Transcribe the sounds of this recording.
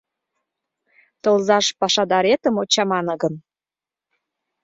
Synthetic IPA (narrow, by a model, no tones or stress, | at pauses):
t̪olˠzɑʃpɑʃɑd̪ɑɾet̪əmot͡ɕɑmɑnɤ̆ɡən